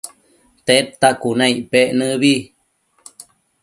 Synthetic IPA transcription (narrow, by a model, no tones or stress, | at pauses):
t̪et̪ːakunãiʔpeʔnɨ̃βi